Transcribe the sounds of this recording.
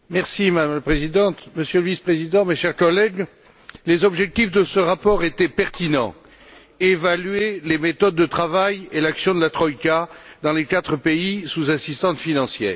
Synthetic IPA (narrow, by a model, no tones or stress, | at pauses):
mɛʁsimad̪amlapχezid̪ɑ̃t̪məsjøləvispχezid̪ɑ̃meʃɛʁkɔlɛɡ | lezɔbʒɛk̚t̪ifd̪əsəʁapɔʁet̪ɛpɛʁt̪inɑ̰̃ | evalɥelemet̪ɔd̪ːət̪χavajelaksjɔ̃d̪əlat̪χɔikad̪ɑ̃lekat̪χəpeisuzasist̪ɑ̃sfinɑ̃sjɛ̰ːʁ